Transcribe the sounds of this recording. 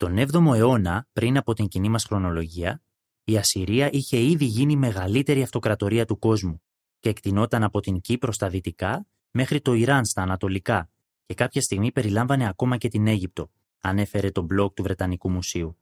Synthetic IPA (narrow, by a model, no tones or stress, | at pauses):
t̪o̞ne̞vðo̞mo̞e̞o̞nɐpɾinɐpo̞t̪iɲcinimɐsxɾo̞no̞lo̞ʝiɐ | iɐsiɾiɐʔiçe̞iðiʝinime̞ɣɐlit̪e̞ɾiɐft̪o̞kɾɐt̪o̞ɾiɐt̪uko̞zmu | ce̞ːkt̪ino̞t̪ɐnɐpo̞t̪iɲcipɾo̞st̪ɐðit̪ikɐ | me̞xɾit̪o̞iɾɐnst̪ɐːnɐt̪o̞likɐ | ce̞kɐpçɐst̪iɣmipe̞ɾilɐɱvɐne̞ɐko̞mɐce̞t̪ine̞ʝip̚t̪o̞ | ɐne̞fe̞ɾe̞t̪o̞blo̞k̚t̪uvɾe̞t̪ɐnikumusiu